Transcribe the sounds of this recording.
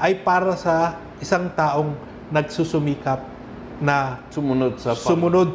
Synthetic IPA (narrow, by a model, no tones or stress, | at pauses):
ʔɐjpaːɾɐsɐ | ʔɪsaŋt̪aːʔo̞ŋ | nɐɡ̚susʊmiːkɐp̚ | nɐ | ʊmʊnod̪̚sɐsʊmʊnod̪̚